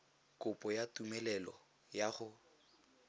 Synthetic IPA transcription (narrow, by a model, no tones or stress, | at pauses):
kʊpʼɔjatumɛlɛlɔ | jaχʊ